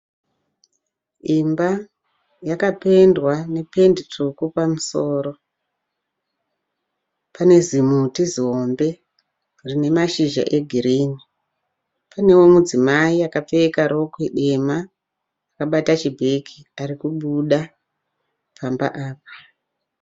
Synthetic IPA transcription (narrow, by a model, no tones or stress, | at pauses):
imba | jakape̞ndwane̞pe̞nditʰukupamusoːɾo̞ | pane̞zimutiziɦo̞mbe̞ | rine̞maʃiʒa̰ʔe̞ɡʱiɾiːni | pane̞wo̞mud͡zimaiakap͡fekaɾo̞kweɗe̞maː | kaɓatat͡ʃibʱekʰiaɾikuɓuɗa | pʰamba̰ʔaːp̚ḁ